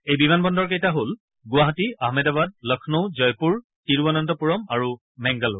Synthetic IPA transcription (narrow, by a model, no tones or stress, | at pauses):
ejbimanbɔndɔɹkejtaɦol | ɡʊwaɦatiaɦmɛdabad̚lɔkʰnozɔjpuɹ | tiɹbɔnɔntɔpuɹɔmaɹu | mɛŋɡalo̰